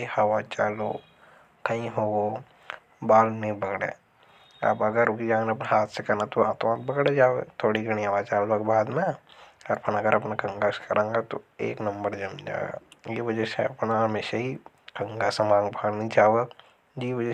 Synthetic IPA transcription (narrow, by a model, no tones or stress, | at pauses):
hɐʋat͡ʃaːlo | kɐĩɦoːo | baːlnẽbɐɡɽḛ̃ː | ɐ̰bɐɡəɾokid͡ʒãːneɐp̬neɦaːt̪ʰsekɐnat̪oaːt̪mãːt̪̚bɐɡɽed͡ʒaːoet̪ʰoːɽiɡɐɽ̃ĩɐʋat͡ʃaːlʋɐkbʱaːd̪mẽɔɾpʰɐnɐɡəɾɐpnakɐ̃ŋɡaːskɐɾẽːŋɡat̪oḛːknɐmbəɾd͡ʒɐmd͡ʒa̰ːḛɡa̰jeʋɐd͡ʒɛseɐpnaɦɐmeːʃaɦi | kɐ̃ŋɡasemãːŋɡbʱaːlnɐ̃ĩt͡ʃaːa | d͡ʒiʋɐd͡ʒɛ